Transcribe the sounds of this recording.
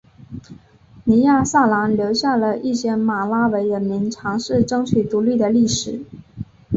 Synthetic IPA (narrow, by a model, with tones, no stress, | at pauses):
ni˧˥ja˥˧sa˥˩la˧˥nljo˧˥ʊɕja˥˩lə˩ʔi˥˩ɕjɛ˥ma˨˩la˥we˧˥ɪɻə˧˥nmi˧˥nʈ͡ʂʰɑ˧˥ŋʂɻ̩˥˩ʈ͡ʂɤ˥ŋt͡ɕʰy˨˩t̪u˧˥ly˥˩d̪ə˩li˥˩ʂɻ̩˨˩˦